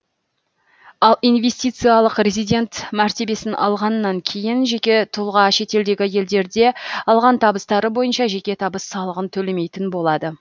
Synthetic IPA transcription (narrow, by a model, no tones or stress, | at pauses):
ɑlˠijnve̞st̪ijt̪sɨjɑlˠəqɾʲezijd̪ʲe̞nt̪mæɾt̪e̞be̞sɪnʔɑ̰lˠʁɑnːɑŋkʲʰe̞jɪnʒe̞kʲe̞t̪ʰʊlˠʁɑʃe̞t̪e̞ld̪e̞ɡʲɪje̞ld̪e̞ɾd̪e̞ɑlˠʁɑnt̪ʰɑbəst̪ɑɾəbo̞jənʃɑʒe̞kʲe̞t̪ʰɑbəsːɑlˠəʁənt̪ʰɵle̞me̞jt̪ɪnbo̞lˠɑd̪ə